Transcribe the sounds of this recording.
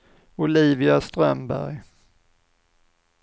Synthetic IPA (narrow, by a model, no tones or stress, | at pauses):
ʊliːvɪast̪ɾœmbæ̰ɾj